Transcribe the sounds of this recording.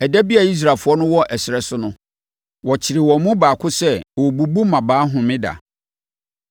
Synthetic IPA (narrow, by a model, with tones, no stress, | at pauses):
ɛ˨dæ˦bi˦a˨i˦s̬ɾaː˨fʊ˨˦ɔ˦nʊ̃˦wɔ˦ʔɛ˨sɪ˨ɾɛ˨sʊ˦nʊ̃˦ | wɔ˨t͡ɕʰɪ˨ɾɪ˨wɔ̃˨mũ˦baː˨kʰʊ˦sɛ˦˨wɔ˨bu˨bu˦mã˨baː˨˦ɦʊ̃˨mɪ̃˦da̰˨